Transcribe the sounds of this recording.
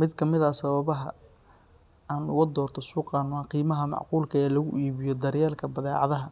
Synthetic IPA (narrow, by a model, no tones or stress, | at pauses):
mɪd̪kʰɐmɪðɐsɐβɐβɐɦɐ̰ | aːnʊɣɐd̪ɔːrt̪ʰɔsuːqɑːnaqiːmɐɦɐmɑ̰ʕquːlkʰɐɛːlɐɣʊʔiːβɪjɔd̪ɐɾjaːlkʰɐbɐðɛːʕɑ̰ðɐɦɐ